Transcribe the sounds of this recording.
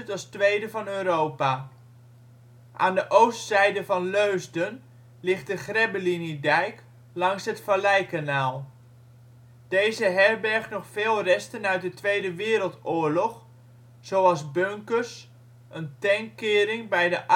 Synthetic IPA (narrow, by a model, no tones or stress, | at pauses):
tɑlˠstʋejdəvɑnøːɾowpa | ʔaːndəʔowstsɛjdəvɑnløɥzdən | lɪχt̚dəχrɛbəlinidɛjk | lɑŋsɦətfalɛjkanaːlˠ | d̥ejzəɦɛrbɛɹχnɔχfeːlˠrɛstənœɥt̚dətʋejdəʋɪːɾəlˠtʊːɹlɔχ | z̥owɑlˠzbøŋkərs | ʔəntɛŋkɪːɾɪŋbɛjdəʔ